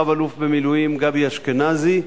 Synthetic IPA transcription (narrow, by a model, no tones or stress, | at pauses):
avalufbemilujimɡabjaʃkenazi